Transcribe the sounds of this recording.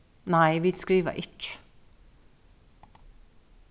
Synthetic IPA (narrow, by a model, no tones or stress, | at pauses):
næɪʋiːskɾiːʋə̰ʔɪt͡ʃːə̥